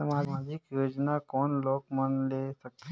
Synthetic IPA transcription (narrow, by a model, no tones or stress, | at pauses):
amaːmaːd͡ʒɪkjoːd͡ʒnakɔːnloːkmənleːsək̚t̪ɦ